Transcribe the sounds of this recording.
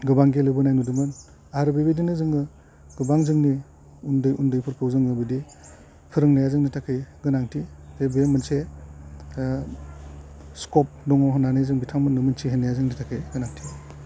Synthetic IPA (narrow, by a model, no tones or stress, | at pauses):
ɡɯbaŋɡelɯbɯnajnudɯmɯn | aɾɯbebidinɯzɯŋɯ | ɡɯbaŋzɯŋni | undɯjundɯjpʰɯɾpʰɯwzɯŋɡɯbidi | pʰɯɾɯŋnajazɯŋnitʰakʰɯjɡɯnaŋtʰitebemɯnse | skɔp̚dɔŋawɦɯnanajzɯŋbitʰaŋmɯnːɯmɯnsʰiɦenajazɯŋnitʰakʰɯjɡɯnaŋtʰi